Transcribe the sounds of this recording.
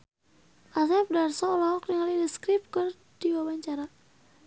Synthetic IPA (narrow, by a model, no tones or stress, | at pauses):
ʔasɛf̚darsɔlɔɔkniŋalidəskɾip̚kɨr | d̥iwabaɲt͡ʃaɾa